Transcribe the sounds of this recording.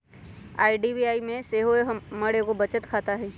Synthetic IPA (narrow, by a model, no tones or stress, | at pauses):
a̰ːiɖiːbiaːimẽseːɦoemɐɽekobɐt͡ʃət̪kʰaːt̪aɦɛ